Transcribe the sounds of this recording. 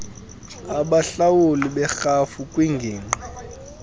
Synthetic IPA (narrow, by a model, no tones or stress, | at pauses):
aɓaɬawuliɓɛxafukʼwiŋɡʱiːŋ͡ǃi